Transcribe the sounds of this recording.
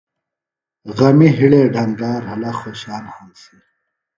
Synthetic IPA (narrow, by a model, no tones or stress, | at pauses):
ɣɐmiɦiɭeːɖʱɐŋɡaːɾɦɐlɐxoːɕaːnhɐnsi